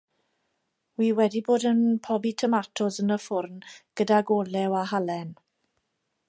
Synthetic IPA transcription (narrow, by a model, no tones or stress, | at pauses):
wiːwɛdiboːdənpʰɔbitʰəmatʰɔzənəfʊrnɡ̥ədaɡɔlɛwaɦalɛn